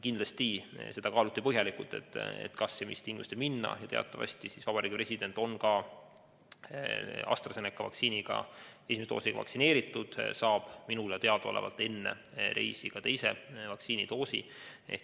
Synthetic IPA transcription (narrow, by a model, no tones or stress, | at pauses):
kind̪lɑst̪ise̞d̪ɑkɑːlut̪ːipɤɦjɑlikˑult̪e̞t̪ːˑḛt̪ːkɑsːemist̪iŋɡmust̪eminːɑ̰jɑt̪e̞ɑ̰t̪ˑːɑvɑ̰sʲt̪isisvɑbɑɾiːɡipre̞sʲid̪e̞nt̪ːˑo̞nkɑ | ɑ̰st̪rɑsenekːˑɑvɑ̰ksiːniɡ̥ɑ̰esimeset̪oːsiɡ̥ɑ̰vɑ̰ksine̞ːɾit̪ːˑud̪̥sɑːb̥minulɑt̪e̞ɑd̪̥ɑo̞̰lḛvɑ̰lt̪ːˑe̞nːḛ | ɾʔe̞̰jsiɡ̥ɑt̪e̞jse̞̰vɑk̪siːnit̪o̞ːsḭ | ḛ